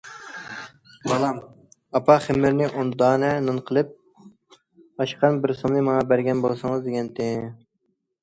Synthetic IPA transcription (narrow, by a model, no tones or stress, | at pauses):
bɑlˠɑm | ɑpʰɑχɪmːɪɾnɪʔond̪ɑːnɛnɨnqʰəlˠɨp̚ | ɑʃqʰɑnbɪɾsomnɨmɑŋɑbæɾɡʲɛnbolˠsɨŋəzd̪ɪɡʲɛnt̪ʰɪ